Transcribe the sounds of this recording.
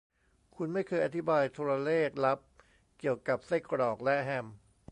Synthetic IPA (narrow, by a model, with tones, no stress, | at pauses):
kʰu˧nma˥˩jkʰɤː˧jʔa˧t̪ʰi˦˥baː˧jt̪ʰuː˧ɾa˧leː˥˩k̚la˦˥p̚ | ki˨˩əwka˨˩p̚se˥˩kɾɔː˨˩k̚lɛ˦˥ʔɦɛ˧m